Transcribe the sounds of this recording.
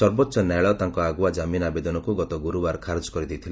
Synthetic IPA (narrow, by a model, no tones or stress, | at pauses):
ɔɾbɔt̪ːʃɔnaɭɔt̪aŋkɔaɡuad͡ʒaminabed̪ɔnɔkuɡɔt̪ɔɡuɾubaɾkʰaɾd͡ʒɔkɔɾid̪ejt̪ʰili